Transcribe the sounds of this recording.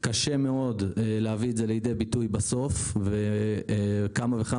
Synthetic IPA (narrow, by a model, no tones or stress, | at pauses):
kaʃeme̞o̞delehaviezelejidejbitujbaso̞fve | kamaveχa